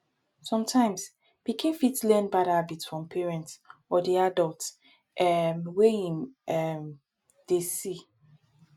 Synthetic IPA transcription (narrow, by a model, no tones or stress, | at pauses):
sɔ̃mtʰãɪ̃ms | b̥ikʰĩnfitlɛnbaɾabitsfɹɔ̃mpʰɛɹɛ̃ntsɔdiadɔlts | ʔɛmweĩmɛm | d̥esi